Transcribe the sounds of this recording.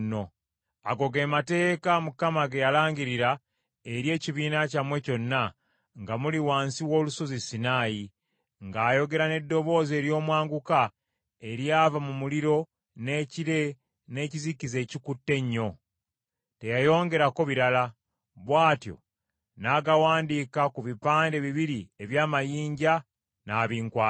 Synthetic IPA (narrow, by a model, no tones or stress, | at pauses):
no̞ | aɡo̞ɡe̞ːmate̞ːkamukamaɡejalaːɲɟiɾiɾa | eɾje̞ːciβiːnacamwe̞co̞nːa | ŋɡamuliwaːnsiwo̞ːluso̞zisinaːji | ŋɡaːjo̞ɡe̞ɾane̞dːo̞βo̞ːze̞ːɾjo̞ːmwaːŋɡuka | e̞ɾiaːvamumuliɾo̞ | ne̞ːciɾe̞ | ne̞ːcizikize̞ːcikutːe̞ɲːo̞ | te̞jajo̞ːŋɡe̞ɾako̞βiɾala | βwaːtjo̰ | naːɡawaːndikakuβipaːnde̞βiβiɾie̞βjaːmajiːɲɟa | naːβiːŋkwaː